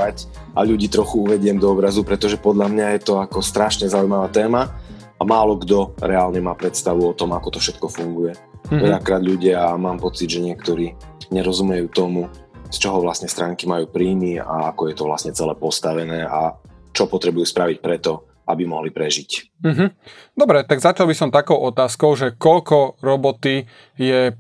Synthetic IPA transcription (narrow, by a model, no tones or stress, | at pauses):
ac | aʎuɟiːt̪ɾɔxuuʋɛɟɪɛmd̪ɔɔbɾazupɾɛt̪ɔʒɛpɔd̪ʎamɲajɛt̪ɔakɔst̪ɾaʃɲɛzaujmaʋaːt̪ɛːma | amaːlɔɡd̪ɔɾɛaːlɲɛmaːpɾɛt̪st̪aʋuɔt̪ɔmakɔt̪ɔfʃɛt̪kɔfuŋɡujɛ | ʋɛʎakɾaːd̪ʎuɟɪaamaːmpɔt͡sid̪ʒɛɲɪɛkt̪ɔɾiː | ɲɛɾɔzumɛjuːt̪ɔmust͡ʃɔɦɔʋlasɲɛst̪ɾaːŋkimajuːpɾiːmia̰akɔjɛt̪ɔʋla̰sɲɛt͡sɛlɛpɔst̪aʋɛnɛːat͡ʃɔpɔt̪ɾɛbujuːspɾaʋic̚pɾɛt̪ɔ | ʔa̰bimɔɦlipɾɛʒic̩ː | ɦm̩d̪ɔbɾɛt̪aɡzat͡ʃalˠbisɔmt̪akɔʊʔɔt̪aːskɔʊʒɛkɔʎkɔɾɔbɔt̪i | jɛ